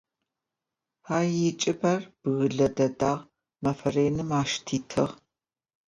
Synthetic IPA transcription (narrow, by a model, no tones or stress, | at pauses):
haːjit͡ʃʼɨbɐrb̥ɨɣɨɮɐdɐdaːʁ | mɐfɐreːnɨmaːʃtʰiːtʰɨʁ